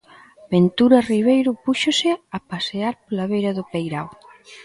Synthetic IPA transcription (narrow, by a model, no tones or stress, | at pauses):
bent̪uɾɐriβ̞ejɾʊpuʃosɪapaseaɾpolaβejɾɐðopejɾaw